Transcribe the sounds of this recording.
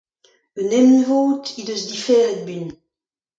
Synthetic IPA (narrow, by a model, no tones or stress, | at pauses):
ynɛmnivoːt̪id̪øsd̪ifɛːʁɛd̪̚byn